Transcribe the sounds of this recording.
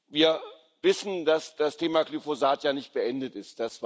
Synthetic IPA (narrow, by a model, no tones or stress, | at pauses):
viːɐ | vɪsn̩dasd̥astʰeːmaklyfozaːtjaːnɪçt̚b̥əʔɛndətɪst̚d̥asv̥